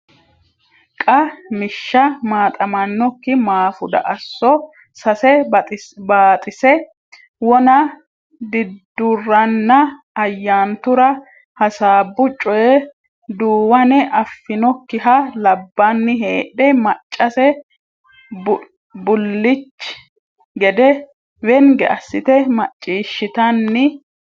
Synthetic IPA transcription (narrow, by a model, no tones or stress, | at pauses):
kʼɐmɪʃːɐmaːt̪ʼɐmɐnːɔkːɪmaːfʊd̪ɐ̰ʔɐsːɔ | sɐsɛ | baːt̪ʼɪsɛ | wɔnɐ | d̪ɪd̪ːʊrːɐnːɐ | ɐjːaːnt̪ʊɾɐ | hɐsaːbːʊt͡ʃʼːɔjɛ | d̪uːwɐnɛʔɐfːɪnɔkːɪɦɐlɐbːanːɪɦeːɗɛmɐt͡ʃʼːɐsɛ | bʊlːɪt͡ʃː | ɡɛd̪ɛ | wɛnɡɛ̰ʔɐsːɪt̪ɛmɐt͡ʃʼːiːʃːɪt̪ɐnːɪ